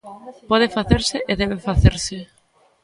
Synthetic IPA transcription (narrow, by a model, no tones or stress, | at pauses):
pɔð̞ɪfaθeɾsɪʔeðɛβefaθeɾsɪ